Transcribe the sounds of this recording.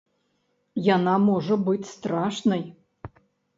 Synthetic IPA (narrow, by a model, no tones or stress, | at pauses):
janamɔʐɐbɨt͡sʲst̪ɾaʂnɐj